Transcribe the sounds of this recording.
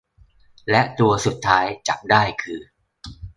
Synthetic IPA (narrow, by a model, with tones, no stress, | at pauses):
lɛ˦˥ʔt̪u˧ɐsu˨˩t̪ʰːaː˦˥jt͡ɕa˨˩k̚daː˥˩jkʰɯː˧